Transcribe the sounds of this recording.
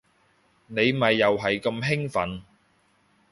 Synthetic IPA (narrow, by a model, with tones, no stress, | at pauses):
ne˨˧jmɐ˨jːɐ˨wɦɐ˨jkɐ˧mɦɪ˥ŋfɐ̰˨˥n